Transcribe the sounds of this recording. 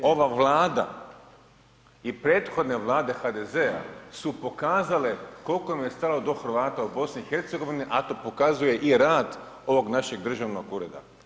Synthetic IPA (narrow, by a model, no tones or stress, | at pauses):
o̞ʋaʋlˠaːd̪a̰ | ipɾe̞ːt̪xo̞d̪ne̞ʋlˠaːd̪e̞xad̪e̞ze̞a̰supo̞kaːzale̞ko̞lkomje̞st̪alod̪o̞xr̩ʋaːt̪aubo̞sniːxe̞ɾt̪seɡo̞ʋiniʔat̪o̞po̞kazuje̞ʔiɾaːd̪ | o̞ʋo̞ɡnaʃe̞ɡd̪r̩ʒaʋnoɡuɾe̞d̪a̰